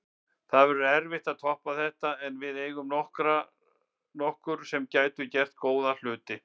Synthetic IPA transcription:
θaðvɛɾʏɾɛɾvɪht̪aðt̪ʰɔhpaθɛht̪aɛnvɪðeːjɣʏmnɔhkɾa | nɔhkʏɾ̥sɛmcaːjt̪ʏcɛr̥t̪̚koːwðal̥ʏːt̪ɪ

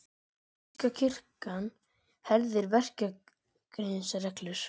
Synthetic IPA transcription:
cacʰɪr̥kan | hɛɾðɪɾvɛr̥ca | kɾesarɛklʏɾ̥

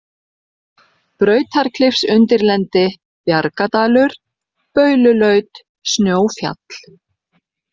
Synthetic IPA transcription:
pɾœːɥt̪ʰaɾ̥kʰlɪfsʏnt̪ɪɾlɛnt̪ɪ | pjaɾkat̪aːlʏɾ̥ | pœːɥlʏlœɥt̪ | snjoːwfja̰t̪l̥

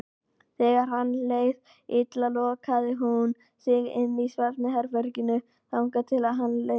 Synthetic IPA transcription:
θɛːɣaɾ̥ɦanːleːjð | ɪt̪lalɔɣakʰaːðɪɦun | sɪɣɪnːisvaɾnɪɦɛɾfœɾcɪnʏ | θawŋkat̪ʰɪlaðɦanle

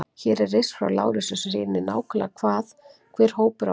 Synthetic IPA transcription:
çɛɾɛɾesfɾa̰wla̰ːwɾɪsʏsrɪːnːɪna̰ːwkʰʏla̰kʰvaːðkʰvɛːɾ̥hoːwpʏɾa̰

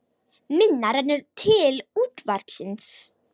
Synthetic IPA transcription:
mɪnːaɾanɛɾt̪ʰɪluːt̪vaɾ̥psɪns

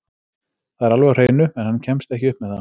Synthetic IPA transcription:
θaðɛɾalvɛɣr̥eːjnʏɛnhanːcʰɛmst̪ɛhcɪʏhpmɛðθa

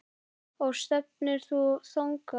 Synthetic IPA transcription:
ɔɣst̪ɛp̚nʏɾ̥θuθoŋka

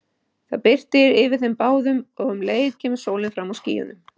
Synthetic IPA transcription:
θa̰ðpɪr̥t̪ɪɾɪvɪðθɛmpaːwðʏmɔɣʏmleːjɪt̪cʰɛːmʏ̥soːwlɪnfɾamawscḭːjʏ̰nʏm

